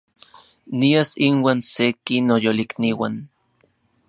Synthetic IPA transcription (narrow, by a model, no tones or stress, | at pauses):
niasinwaːnsekinojolikniwan